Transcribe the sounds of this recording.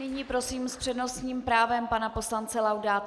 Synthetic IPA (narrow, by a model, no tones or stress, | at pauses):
ɪɲiːpɾosiːmspr̥ɛdno̞sɲiːmpɾaːvɛmpanapo̞slant͡sɛlawdaː